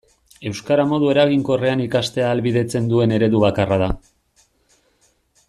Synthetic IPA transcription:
e̞wskaɾamo̞ðue̞ɾaɣiŋko̞re̞anikast̪e̞aːlβiðe̞t͡se̞nd̪ue̞ne̞ɾe̞ðuβakarað̞a

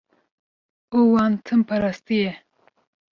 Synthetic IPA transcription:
owant̪ʰəmpʰaɾast̪ije

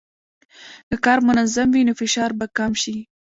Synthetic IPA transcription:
k̪əkɑɾmʊnazamwinofɪʃɑɾbakamʃi

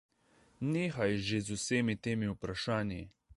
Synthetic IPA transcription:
neːxajʒezuseːmit̪eːmiupɾaʃaːnji

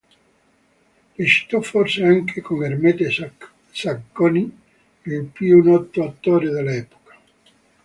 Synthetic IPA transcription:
reʃi̥t̪ɔfɔrseaŋkʰekoŋermɛt̪e | sakːoni | ilpjunɔt̪ːoat̪ːoːɾed̪elɛːpo̥kḁ

